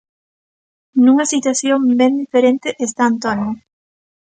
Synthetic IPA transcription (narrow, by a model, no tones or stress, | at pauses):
nũŋɐsit̪waθjoŋbend̪ifeɾẽnt̪eʔest̪aːnt̪onjo